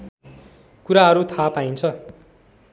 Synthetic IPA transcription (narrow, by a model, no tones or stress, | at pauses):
kuɾaɦʌɾut̪ʰapajnt͡sʰʌ